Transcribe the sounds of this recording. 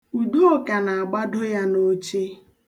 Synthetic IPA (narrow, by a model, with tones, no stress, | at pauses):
u˨du˦o˦ka˨na˨a˨ɡ͡ba˦dʊ˦ja˦no˦t͡ʃe˦